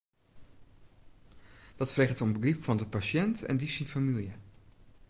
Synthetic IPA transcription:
d̥ɑtfreχətɔmbəɡripfɑndəpaʃɛntɛ̰ndisinfamilˠjə

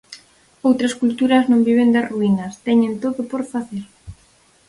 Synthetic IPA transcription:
owt̪ɾɐskult̪uɾɐznõmbiβ̞end̪aruinɐst̪ɛɲẽnt̪oðʊpoɾfaθeɾ

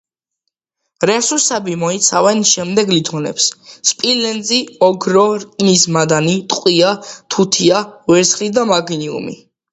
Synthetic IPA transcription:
ɾɛsusɛbimɔit̪sʰavɛnʃɛmd̪ɛɡlit̪ʰɔnɛ̰psspʼilɛnd̪ziɔɡɾɔɾʼinismad̪anit̪ʼqʼwiat̪ʰut̪ʰiawɛɾt̪sχlid̪amaɡiniṵmḭ

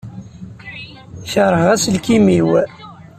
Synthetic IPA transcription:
çəɾˤəʁæslkimiw

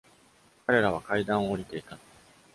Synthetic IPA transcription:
kaɾe̞ɾaβ̞akaid̪ãɰ̃oːɾʲit̪e̞it̪a

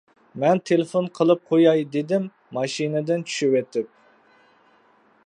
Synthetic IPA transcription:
mɛnt̪ʰelɪfonqʰəlˠɨp̚qʰojɑjd̪ed̪ɪmː | ɑʃinɨd̪ɪnt͡ʃʰy̥ʃywɛt̪ɪp̚

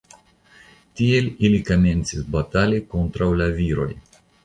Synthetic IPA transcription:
t̪ielʲilikamʲent̪sʲɪsbat̪alʲikont̪ɾawlaviːɾoj

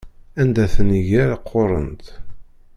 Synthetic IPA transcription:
ænd̪æθəniʝæɾaqʰːoɾˤə̰nt̪

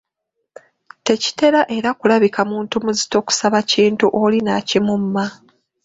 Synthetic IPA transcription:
te̞ci̥te̞ɾaʔe̞ɾakulaβikamuːntumuzi̥to̞ku̥saβaciːntuʔo̞linacimumːa

